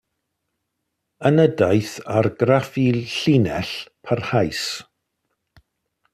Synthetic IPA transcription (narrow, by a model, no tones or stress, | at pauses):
ənədajθarɡrafiɬinɛɬpʰarhajs